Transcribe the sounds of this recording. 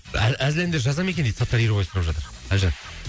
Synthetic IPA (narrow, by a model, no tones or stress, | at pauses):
ææzleɾɪmd̪eɾʒɑzɑmekʲenejd̪sɑt̪ːɑɾijɾubɑjsɾɑpʒɑt̪əɾ | æʒə